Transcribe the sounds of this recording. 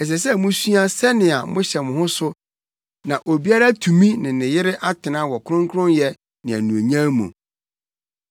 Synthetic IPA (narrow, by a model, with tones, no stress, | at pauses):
ɛ˨s̬ɛ˨s̬ɛ˦mʊ̃˦su˦a˦sɛ˦nɪ̃˨a˨mʊ̃˦ɕɛ˨mʊ̃˨hʊ̃˦sʊ˦ | nã˨ʔo˨bi˦a˦ɾa˦tʰũ˨mĩ˦nɪ̃˨nɪ̃˨jɪ˦ɾɪ˦ʔa˦tʰɪ˨nã˦wɔ˨kʰʊ˦ɾʊ̃˦ŋkʰʊ˦ɾʊ̃˦njɛ˦ | nɪ̃˨æ̰˨nũ˨e˨ɲã˦mṵ̃˨